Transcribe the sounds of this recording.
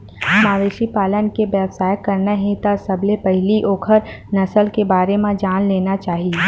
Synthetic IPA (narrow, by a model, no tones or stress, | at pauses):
ɦɐmaːʋeːʃipaːlənkeʋɛːbsaːjəkːɐɾnaɦẽt̪asɐblepɛɦɪliʔoːkʰəɾ | nɐsəlkebaːɾemãd͡ʒaːnleːnat͡ʃaːɦie